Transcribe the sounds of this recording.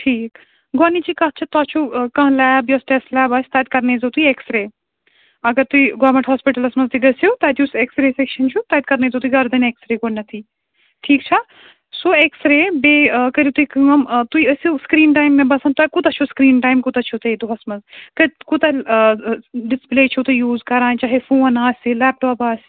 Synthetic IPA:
ʈʰiːk | ɡonit͡ʃikɐɦt͡ʃʰɐt̪aːt͡ʃʰukɐ̃ɦlɛːbjɐsʈeslɛːbɐsʰʲt̪aːt̪̚kɐɾneːzɐt̪uieksɾeː | ɐɡɐɾt̪uiɡɔːmeɳʈɦɔːspiʈɐlɐsmɐzt̪iɡɐsjut̪aːt̪jiseksɾeːsekʃɐnt͡ʃʰut̪aːt̪̚kɐɾneːzɐt̪uiɡɐɾd̪ɐneksɾeːkonnːɐt̪ʰi | ʈʰiːkt͡ʃʰɐ | soːeksɾeːbeːkɐɾit̪uikɐɐmt̪uiɐsuskɾiːnʈaːjmːebɐsɐnt̪akut̪ɐt͡ʃʰuskɾiːnʈaːjmkut̪ɐt͡ʃʰot̪ɐd̪uɦɐsmɐzkɨkut̪ɐ | ɖispleːt͡ʃʰut̪ujuːzkɐɾãːnt͡ʃaːɦefuːnaːsʲilɛːp̚ʈɔːpaːsʲ

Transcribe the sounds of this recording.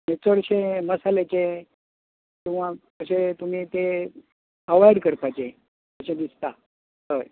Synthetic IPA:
net͡səɽɕẽməsalet͡sẽ | k̪ĩʋ̤ãkəɕet̪um̤iːt̪e | kəʋajəɽkəɾpajt͡se | əɕẽd̪ist̪a | t̪əj

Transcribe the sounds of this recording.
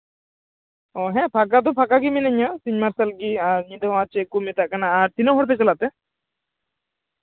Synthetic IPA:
ɔɦɛ̃pʰakad̪ɔ̃pʰakaɡiminɐɲasiɲmaɾsɐlɡiaɾɲid̪ãt͡ʃekumɛt̪aʔkanaːɾt̪inɔɦɔɽp̬ɛt͡ʃɐlat̪ɛ

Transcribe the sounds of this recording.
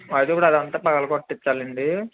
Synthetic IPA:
ɐd̪pːuɽɐd̪ɐnt̪aːpɐkɐlɐkoʈːit͡ʃːaːlɐɳɖi

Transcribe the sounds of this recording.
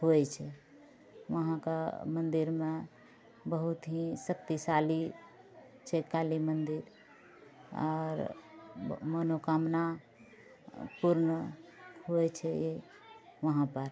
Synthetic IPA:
hoɛt͡ʃʰɛ | ʋəɦãka̰mənd̪iɾme | bəɦut̪ɦĩsəkt̪isali | t͡ʃʰɛkalimənd̪iɾ | ɔ̰ɾ | mənokamna | puɾn | ɦoɛt͡ʃʰɛje | ʋəɦãpəɾ

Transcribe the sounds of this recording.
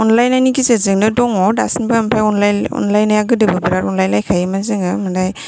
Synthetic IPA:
ɔnlajnajnikisezɯŋnɯdɔŋɔdasinbɯmpʰajɔnlajɔ̰nlajnajaɡɯdɯbɯbiɾaɾɔnlajnlajkʰajmazɯŋɯmandaj

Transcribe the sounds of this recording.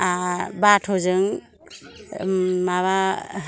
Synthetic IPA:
abatʰɔzɯŋ | maβa

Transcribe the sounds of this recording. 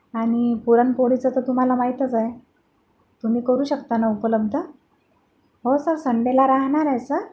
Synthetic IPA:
aɽ̃ipuɾanpoɽit͡sət̪ət̪um̤alamaɦit̪əd͡zaj | t̪um̤iːkəɾuːɕəkt̪anaupələb̚d̪ʱə | ɦosəɾsəɳɖelaɾaɦɳaɾajsə

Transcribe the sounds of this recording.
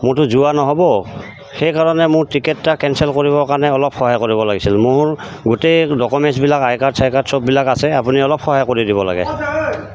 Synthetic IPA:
mʊɹtʊzuanɔɦɔbɔ | xejkaɹɔnɛmʊɹtɹikɛtːakɛnsɛlkoɹibɔɹkaɹnɛɔlɔp̚xɔɦajkoɹibɔlaɡisilmʊɹ | ɡutejdɔkɔmɛnsbilakajkaɹsʰajkaɹtsɔp̚bilakasɛapuniɔlɔp̚xɔɦajkoɹidibɔla̰ɡɛ̰

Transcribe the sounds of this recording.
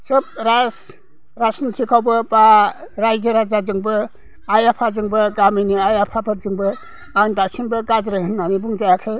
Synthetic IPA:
sɯb̚ɾas | ɾasinkʰikʰawbɯbaɾajd͡ʒɯɾazazɯŋbɯ | ajapʰazɯŋbɯɡaminiajapʰapʰɯɾ̚zɯŋbɯ | andasiŋbɯɡazɾɯɦɯnːanibuŋd͡ʒajakʰɯ

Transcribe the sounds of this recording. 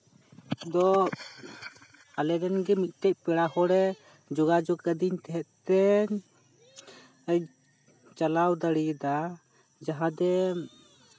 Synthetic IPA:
d̪ɔ | alɛd̪ɛnɡɛmit̪̚ˀt̪ɛc̚pɛɽahɔɽɛ | d͡ʒɔɡad͡ʒɔɡkəd̪iɲt̪ɛɦɛt̪̚t̪ːɛ | əj | t͡ʃalawd̪aɽid̪a | d͡ʒaɦãd̪ɛ

